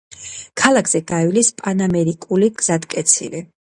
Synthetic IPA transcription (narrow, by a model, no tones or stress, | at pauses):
kʰalˠakʰz̥ɛɡaɛlispʼanamɛɾikʼuliɡz̥ad̪kʼɛt̪sʰḭli